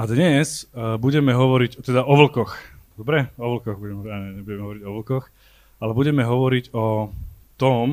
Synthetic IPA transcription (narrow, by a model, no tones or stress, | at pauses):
ad̪ɲɛzbuɟɛmɛɦɔʋɔɾiɟt̪ɛd̪aɔʋl̩kɔxd̪ɔbɾɛɔʋl̩kɔɣbuɟɛmɛɦɔaɲɛɲɛbuɟɛmɛɦɔʋɔɾiɟɔʋl̩kɔx | alɛbuɟɛmɛɦɔʋɔɾiɟɔt̪ɔm